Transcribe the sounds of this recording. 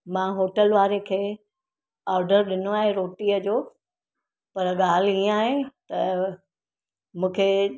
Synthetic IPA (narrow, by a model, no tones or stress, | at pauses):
mãɦoːʈəlʋaːɾekʰeː | aːɾɖəɾɗɪnoaːɦẽɾoːʈiːəd͡ʑoː | pɐɾɠaːl̤ĩaːɦẽt̪ɐ | mũːkʰe